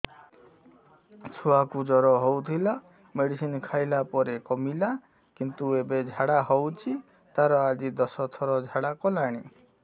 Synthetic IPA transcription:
t͡ʃʰuakud͡ʒɔɾɔɦɔwt̪ʰila | meɽisinkʰajlapɔɾekɔmila | kint̪uebed͡ʒʱaɽaɦɔwt͡ʃʰi | t̪aɾɔad͡ʒid̪ɔsɔt̪ʰɔɾɔd͡ʒʱaɽakɔlaɽ̃i

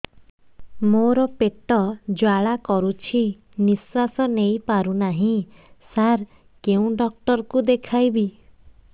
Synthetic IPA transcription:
moɾɔpeʈɔd͡ʒwaɭakɔɾut͡ʃʰi | niswasɔnejpaɾunaɦĩsaɾ | keũɖɔk̚ʈɔɾɔkud̪ekʰajbi

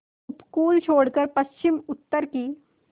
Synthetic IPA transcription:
ʊpkuːlt͡ʃʰoːɽkəɾpɐst͡ʃɪmʊt̪ːəɾkiː

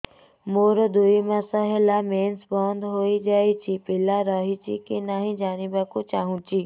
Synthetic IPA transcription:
moːɾd̪uimãsəɦelameːnsbɔːnd̪ɦoːid͡ʒaːit͡ʃʰipɪlaɾəɦit͡ʃʰikinaɦĩd͡ʒaːnibakũt͡ʃaːɦũt͡ʃiː

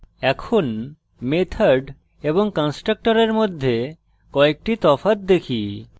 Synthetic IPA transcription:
ɛkʰon | met̪ʰaɾɖ | eboŋkɔnsʈɾək̚ʈɔɾeɾmod̪ʱːe | kɔek̚ʈit̪ɔfat̪̚d̪ekʰi

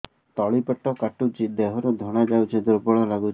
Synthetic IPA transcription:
t̪ɔɭipɛʈːɔkaʈud͡ʒid̪eɦɔɾud̪ʱɔɽ̃ad͡ʒawt͡ʃʰid̪uɾbɔɭɔlaɡut͡ʃʰ

